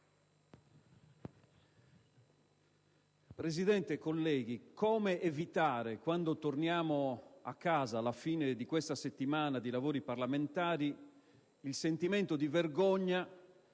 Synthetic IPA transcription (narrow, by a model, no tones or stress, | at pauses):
pɾezid̪ɛnt̪ekːolːɛːɡikɔːmeʔːvit̪aːɾekwand̪ot̪ornjaːmoa̰kːaːzaːlːafiːned̪ikwɛst̪aset̪ːimaːnad̪ilavoːɾiparlament̪aːɾi | ilsent̪imɛnt̪od̪iverɡɔɲːa